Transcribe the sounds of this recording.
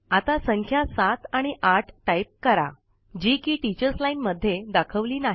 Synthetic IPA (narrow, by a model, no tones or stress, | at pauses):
at̪asə̃ŋkʰjasat̪aɽ̃iʔaʈʰʈaip̚kəɾa̰ | d͡ʑikiːʈit͡ɕəɾslainməd̪ʱːjed̪akʰəʋliːnaɦ